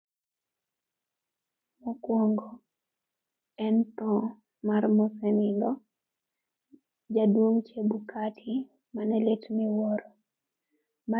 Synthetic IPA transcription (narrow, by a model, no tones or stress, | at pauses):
mɔkwɔŋɡɔ | ɛnt̪ɔ̃ | marmɔsɛnɪndɔ | d͡ʒadwoŋt͡ʃebukatʰɪ | manɛletmiwɔɾɔ | ma